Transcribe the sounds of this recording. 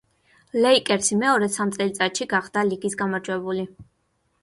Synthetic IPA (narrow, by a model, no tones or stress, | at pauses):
lɛikʼɛɾsimɛɔɾɛsamt̪sʼɛlit̪sʼat̪ʃiɡaχd̪̥aliɡisɡamaɾd͡ʒwɛbuli